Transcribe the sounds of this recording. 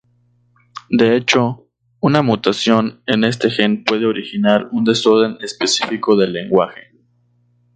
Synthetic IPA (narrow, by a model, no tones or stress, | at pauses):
d̪e̞e̞t͡ʃo̞ | unamut̪asjo̞ne̞ne̞s̬t̪e̞xe̞npwe̞ð̞e̞o̞ɾixinaɾund̪e̞so̞ɾðe̞ne̞spe̞sifiko̞ðe̞lːe̞ŋɡwaxe̥